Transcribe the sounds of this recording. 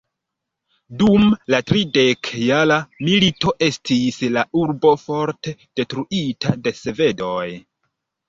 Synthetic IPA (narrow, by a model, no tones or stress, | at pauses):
dumlatɾide̞kjalamilito̞ʔe̞stʰislauɾbo̞fo̞ɾte̞d̥e̞tɾuʔitʰade̞se̞ve̞do̞j